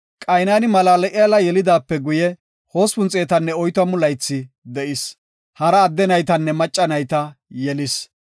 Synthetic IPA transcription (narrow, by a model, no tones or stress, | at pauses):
kʼɐjnaːnɪmɐlaːlɛʔɪjalɐjɛlɪd̪aːpːɛɡʊjɛ | ho̞ːspʊnt͡sʼeːt̪ɐnːɛɔjt̪wɐmʊlɐjt͡sːɪ | d̪ɛʔɪs | hɐɾɐːd̪ːɛnɐjt̪ɐnːɛmɐt͡ʃʼːɐnɐjt̪ɐjɛlɪs